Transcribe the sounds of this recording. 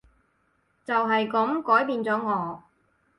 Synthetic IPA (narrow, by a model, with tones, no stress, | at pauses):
t͡sɐ˨wɦɐ˨jkɐ˨˥mkɔː˨˥jpiː˧nt͡sɔː˨˥ŋɔː˨˧˥